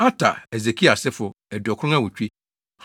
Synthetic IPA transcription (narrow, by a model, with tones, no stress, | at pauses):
a˦tʰa̰˨e˨ze˨kʰi˦a˨sɪ˦fʊ˨ | ɛ˨dɔ˨kʰʊ˦ʊ̃˦ã˦wʊ˨t͡ɕᶣi˦ | h